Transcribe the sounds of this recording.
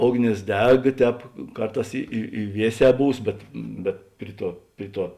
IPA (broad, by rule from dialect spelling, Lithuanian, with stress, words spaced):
ˈoːɡˌnʲeːs ˈdʲɛk ˈtʲɛːp ˈkɐrˌtɑːs ɪ ɪ ɪ ˈʋʲiɛˌsʲɛː ˈbuːs ˈbʲɛt bʲɛt ˈpʲrʲɪ ˌtuɔ ˈpʲrʲɪ ˌtuɔ